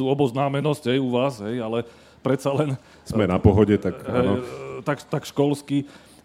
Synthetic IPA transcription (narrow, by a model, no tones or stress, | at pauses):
uːɔbɔznaːmɛnɔsɟ̥ɦɛjuʋaːsɦɛjalɛ | pɾɛt̪salɛn | z̥mɛnapɔɦɔɟɛt̪akaɦɛnɔt̪akt̪akʃkɔlski